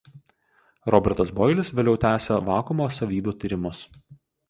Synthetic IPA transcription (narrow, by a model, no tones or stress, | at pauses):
ɾɔbʲɛɾt̪ɐsbɔːjlʲɪsʋʲeːlʲɛʊt̪ʲæːsʲeʋɑːkʊmoːsɐʋʲiːbʲuːt̪ʲiːɾʲɪmʊs